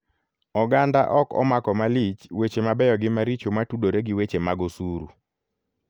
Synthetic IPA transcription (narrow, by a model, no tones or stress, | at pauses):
ɔɡandaʔɔkɔ̰makɔmalit͡ʃwet͡ʃemabɛjɔɡɪmaɾit͡ʃomatudoɾeɡɪwet͡ʃemaɡosuɾṵ